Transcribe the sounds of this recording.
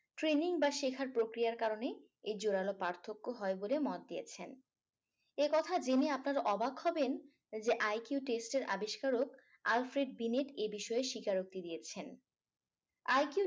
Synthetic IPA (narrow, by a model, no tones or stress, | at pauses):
ʈɾeniŋbaʃekʰaɾpɾokɾijaɾkaɾone | ed͡ʑoɾalopaɾt̪ʰokːoɦɔebolemɔt̪d̪iet͡ɕʰen | ekɔt̪ʰad͡ʑeneapnaɾʔɔbaɡhɔben | d͡ʑeʔajkjuʈesʈeɾʔabiʃkaɾok | alfɾeɖ̚bineʈebiʃɔeʃikaɾok̚t̪id̪ijet͡ɕʰen | ajku